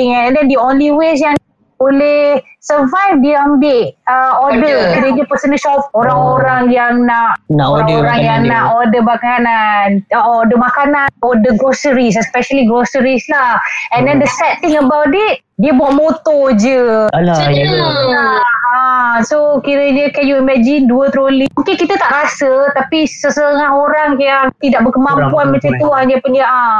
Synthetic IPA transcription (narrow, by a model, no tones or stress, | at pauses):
iŋanɛ̃ndɛndionliwes̬jaŋ | olɪhsəvajfdiəambɪʔəodəkiɾəd͡ʒəpəsənəʃɔp̚oɾaŋŋoɾaŋjaŋnaʔoɾaŋoɾaŋjaŋnaʔodəbakananodəmakananodəɡosəɾis̬ɛspɛʃəliɡɾosəɾislahɛndɛndəsɛt̪iŋəbawdiʔ̚diəbaʔmot̪ɔd͡ʒə | aasokiɾəɲəkɛnjuimɛd͡ʒɪnduət̪əɾolimuŋkɪnkit̪ət̪aʔɾasət̪apisəsətt̪əŋaɦoɾaŋkajaŋt̪idaʔ̚bəkəmampuanmat͡ʃamt̪uaɲapənaʔa